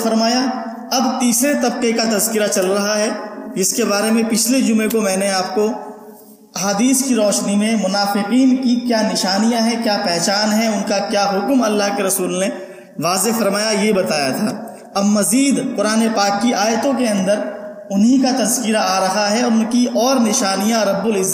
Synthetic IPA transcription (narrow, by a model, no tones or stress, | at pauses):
fɐɾmaːja | ɐbt̪iːsɾet̪ɐb̚qekat̪ɐzkɪɾat͡ʃɐlɾɐɦaɦɛd͡ʒɪskebaːɾemẽpɪt͡ʃʰled͡ʒʊmekomɛ̃ːneaːp̚ko | ɐɦaːd̪iːskiɾɔːʃnimẽmʊnaːfɪqiːnkikjaːnɪʃaːnijaɦɛkjaːpɛɦt͡ʃaːnɦɛʊnkakjaːɦʊkmɐlːaːɦkeɾɐsuːlne | ʋaːzefɐɾmaːjajebɐt̪aːjat̪ʰaː | ɐbmɐziːd̪qʊɾaːnepaːkːiʔaːjət̪õk̬eɐ̃nd̪əɾ | ʊnɦikat̪ɐzkɪɾaaːɾɐɦaɦɛɔːɾʊnkiʔɔːɾnɪʃaːnijãɾɐbːʊlɪzː